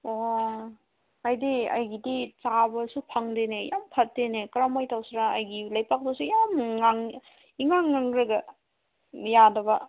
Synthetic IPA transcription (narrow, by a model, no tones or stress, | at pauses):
o | ajdiɐ̰jɡidit͡ʃabɐsupʰaŋdenejampʰɐt̚denekɾamajtawsɾaːjɡilajpak̚bɐsujamːaŋ | iŋaŋːaŋɾɐɡɐ | jadɐbɐ